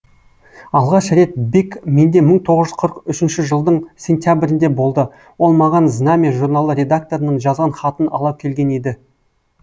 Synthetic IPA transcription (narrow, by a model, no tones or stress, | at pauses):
ɑlˠʁɑʃɾe̞t̪̚bikme̞nd̪e̞məɴt̪ʰo̞ʁəzʒʏzqʰəɾəqʏʃɪnʃɪʒəlˠd̪əɴsʲe̞nt̪ʲjabɪɾɪnd̪e̞bo̞lˠd̪ə | wo̞lˠmɑʁɑnznamʲeʒurnaɑlˠəɾʲe̞d̪ak̚t̪oɾənəɴʒɑzʁɑnχɑt̪ənɑ̰lˠɑwkʲʰe̞lɡʲe̞ned̪ɪ